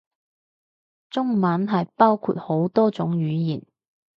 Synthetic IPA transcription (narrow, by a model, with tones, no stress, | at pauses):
t͡sʊ˥ŋmaː˨˥nɦɐ˨jpaː˥wkʰṵ˧t̚ho˨˥wt̪ɔː˥t͡sʊ˨˥ŋjyː˨˧˥jiː˨˩n